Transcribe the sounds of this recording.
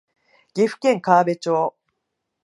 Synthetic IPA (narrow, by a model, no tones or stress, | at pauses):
ɡ̥ʲiɸɯ̟̥kẽ̞ŋkaːbe̞t͡ɕoː